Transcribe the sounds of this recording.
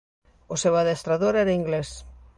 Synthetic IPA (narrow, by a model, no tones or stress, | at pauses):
osewaðest̪ɾaðoɾɛɾaiŋɡles